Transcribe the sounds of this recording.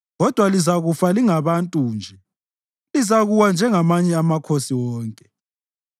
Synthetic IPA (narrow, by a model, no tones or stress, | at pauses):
ɣɔd̥ʱwalizaɣufaliŋaβantʼuːnd͡ʒʱɛ | lizaɣuwand͡ʒʱɛŋamaɲɛamakʰosiwɔːŋkʼɛ